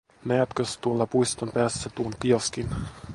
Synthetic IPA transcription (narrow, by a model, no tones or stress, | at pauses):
nææt̪køst̪uolːɑpuist̪ompæːsːæt̪uonkioskin